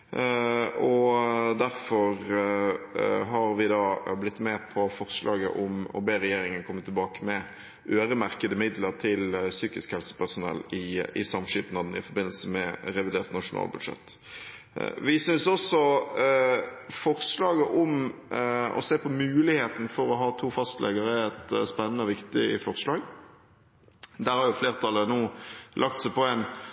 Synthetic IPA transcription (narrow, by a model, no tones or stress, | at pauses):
ɔd̪æɾfɔɾ | ɦɑɾʋɪd̪ɑːblɪt̪ːmɛpʰɔfɔʁslɑːɡə̰ʔʊmɔ̰beːɾɛjeːɾɪŋənkʰɔmːət̪ʰɪlbɑːkəmɛ | ʔøːɾəmæɾkəd̪əmɪd̪ləɾt̪ʰɪlsyːkɪskhɛlsə̥pæʁsʊnɛ̰lɪɪ̰sɑmʂiːpnɑd̪nɪfɔɾbɪnəlsəmɛɾɛʋɪd̪eːʁt̪nɑʂʊnɑ̰ːlbʉd̪ʂɛ̰t̪ː | ʋɪsʏnsɔsɔ | fɔʁslɑːɡəʔɔʊm | ɔ̰seːpʰɔmʉːlɪheːt̪n̩fɔɾɔɦɑːt̪ʰuːfɑst̪lɛ̰ɡəɾəɛt̪spɛnːənəɔʋɪkt̪ɪfɔʁslɑːɡ | d̪æːɾhɑɾjʊfleːʁt̪ʰɑlənuːlʔɑk̚t̪sæɪpɔæn